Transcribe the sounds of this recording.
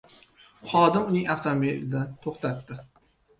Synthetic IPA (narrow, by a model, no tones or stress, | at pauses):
χɒd̪ɪmʊnɪŋaft̪ʰomeld̪ant̪ʰoχt̪ʰat̪ːɪ